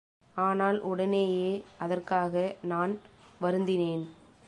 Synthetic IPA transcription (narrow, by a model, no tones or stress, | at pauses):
aːnaːlʔʊɽɐneːjeːʔɐðɐrkaːɣɐnaːnʋɐɾɯnd̪ɪneːn